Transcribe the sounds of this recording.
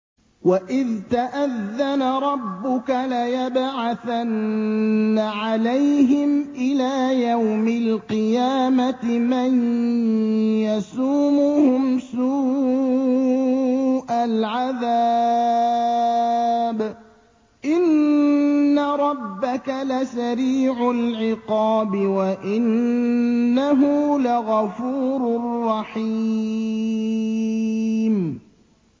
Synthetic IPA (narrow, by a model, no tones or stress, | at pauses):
waʔɪðt̪aʔaðːanaɾˤɑbːʊkalajabʕaθanː | aʕalajɦɪmʔɪlaːjawmɪlqɨjaːmatman | jasuːmʊhʊmsuː | ʔalʕaðaː | b | ʔɪnː | aɾˤɑbːakalasaɾiːʕʊlʕɪqɑːbɪwaʔɪnː | aɦʊlaɣɑfuːɾrːɑħi | m